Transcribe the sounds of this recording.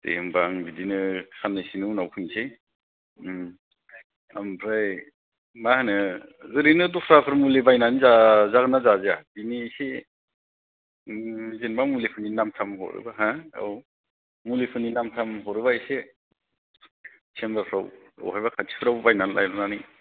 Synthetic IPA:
tḛmbaŋbidinɯkʰanːɯsinunawpʰɯŋse | ampʰɾaj | mahanɯzɯɾinɯdupʰɾapʰɯɾmulebajnanizazaɡɯnazazeadinise | zenbaŋmulepʰɯninamtʰamhɔ̰ɾɯ̰baɦaa̰w | mulepʰɯninamtʰamɦɔɾɯbaise | sʰembapʰɾa̰w | a̰wɦajbakʰatʰi̥pʰɯɾawbajnanlʔa̰jɾɔnani

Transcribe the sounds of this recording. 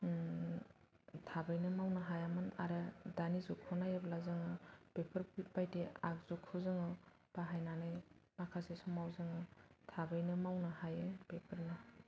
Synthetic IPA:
tʰabɯjnɯmawnɯɦajamɯna̰ɾɯdanizɔkʰɔnajablazɯŋɯpepʰɯɾpit̚bajteak̚zɔkʰɯzɯŋɯ | b̥aɦajnanɯjmakʰasesɔmawzɯŋɯtʰabɯjnɯmawnɯhajɯpepʰɯɾnɯ

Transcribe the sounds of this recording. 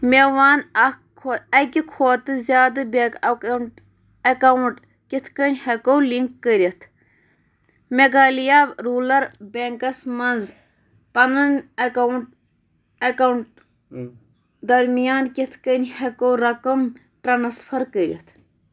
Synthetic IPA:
mʲeʋaːnɐ | kʰoɐkʲikʰoːt̪ɨzjaːd̪ɨbekkɳ | ɐkɐwuɳʈ | kʲit̪ʰkɐnʲhɐkowliŋkːəɾʲɐt̪ʰ | meɡaːlijaːɾuːlɐɾbʲeŋkɐsmɐnz | pɐnɐnɐkɐwuɳʈ̚ | ɐkɐwɳʈ̚ | d̪ɐɾmijaːnkʲit̪ʰkənʲhɐkowɾɐkɐm | ʈɾɐnɐspʰɐɾkəɾʲɐ̰t̪ʰ

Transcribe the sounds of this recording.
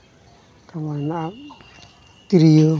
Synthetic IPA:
kamanaa | t̪iɾijə

